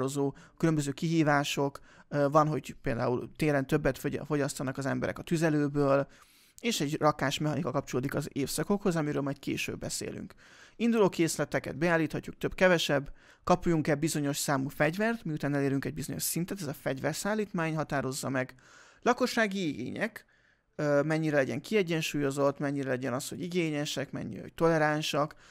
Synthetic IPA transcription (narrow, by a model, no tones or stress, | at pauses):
ɾo̞zoːkylømbøzøːkiɦiːvaːʃo̞kvɒnɦo̞ɟpeːld̪a̰ːṵlt̪eːɾɛnt̪øbːɛt̪ffo̞ɟɒst̪ɒnɒkɒzɛmbɛɾɛ̰kɒt̪yzɛløːbøːl | eːʃɛɟrɒkaːʃmɛɦɒnikɒkɒp̚t͡ʃoloːd̪ikɒzeːfsɒko̞kho̞zɒmiɾøːlmɒjt̪̚kḛːʃø̰bːɛsḛːly̰ŋk | ind̪uloːkeːslɛt̪ɛkɛ̰d̪̚bɛaːlːiːt̪hɒcːuk̚t̪øbkɛvɛʃɛbː | kɒpujuŋkɛlbizo̞ɲo̞ʃsaːmuːfɛɟvɛrt̪miut̪aːnɛleːɾyŋkɛɟ̚bizo̞ɲo̞̰ʃsint̪ɛt̪ɛzɒfɛɟvɛrsaːlːiːt̪maːɲɦɒt̪aːɾo̞zːɒmɛɡ | lɒko̞ʃːaːɡiiɡḛːɲɛ̰kː | mɛɲːiɾɛlɛɟɛ̰ŋkiɛɟːɛnʃuːjo̞zo̞t̪mɛɲːiɾɛlɛɟɛnɒshoɟiɡeːɲɛʃɛkmɛ̰ɲːiɾɛ̰ɦo̰ct̪o̞lɛɾanʃɒk